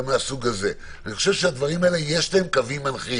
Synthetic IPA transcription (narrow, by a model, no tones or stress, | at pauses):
measuɡaze̞ | anixχoʃe̞vʃead̪vaʁimaeleje̞ʃlaemkavimanχi